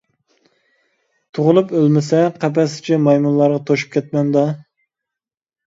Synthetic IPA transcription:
t̪ʰoʁʊlˠupølmɪsɛqʰæp̬ɛsɪ̥t͡ʃʰɛmɑjmunlˠɑɾʁɑt̪ʰoʃu̥p̚kʲʰɛt̪̚mɛnd̪ɑ

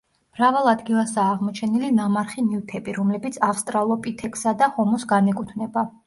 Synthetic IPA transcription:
mɾavalˠad̪ɡilˠasaːʁmɔt͡ʃʰɛnilinamaɾχiniut̪ʰɛbiɾɔmlɛbit̪sʰafst̪ʼɾalˠɔpʼit̪ʰɛkʼsad̪ahɔmɔsɡanɛkʼut̪ʰnɛba

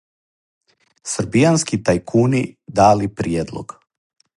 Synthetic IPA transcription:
sɾbijanskit̪ajkʰuːnid̪aːlipɾijeːd̪lˠo̰ɡ̥

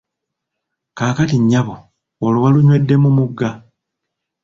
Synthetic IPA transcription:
kaːkatiɲːaβo | olowaluɲwe̞dːe̞mumuɡːa

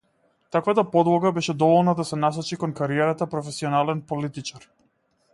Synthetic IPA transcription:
t̪akvat̪apɔd̪lˠɔɡabɛʃɛd̪ɔvɔlˠnad̪asɛnas̬ɔt͡ʃikɔnkaɾiɛɾat̪apɾɔfɛsiɔnalɛnpɔlit̪it͡ʃaɾ

